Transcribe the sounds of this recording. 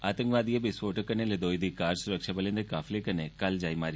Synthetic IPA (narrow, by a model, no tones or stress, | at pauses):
aːt̪əŋkʋaːd̪ijebɪsʋoːʈəkəneled̪oːjd̪ikaːɾsʊɾəkʃabəlẽnd̪ekaːfʰlekənekɐld͡ʒaːimaːɾi